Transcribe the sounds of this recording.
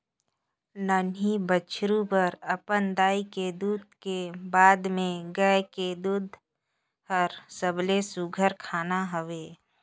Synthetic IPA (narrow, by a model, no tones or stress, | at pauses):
nəːnɦibət͡ʃʰɾupəɾəpənd̪aːiked̪uːd̪̚kebaːd̪mẽɡəked̪ud̪ʱ | həɾsəblesuɡʱəɾkʰaːnaɦəʋeː